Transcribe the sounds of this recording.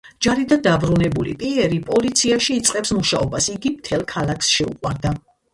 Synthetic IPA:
d͡ʒaɾid̪and̪abɾunɛbulḭpʼiɛɾipʼɔlit̪sʰiaʃiːt̪sʼqʼɛpsmuʃaɔbasiɡimt̪ʰɛlˠkʰalˠakʰsʃɛṵqʼwaɾd̪a

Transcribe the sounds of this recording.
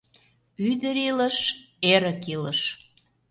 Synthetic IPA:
yd̪əɾiləʃ | eɾə̆kiləʃ

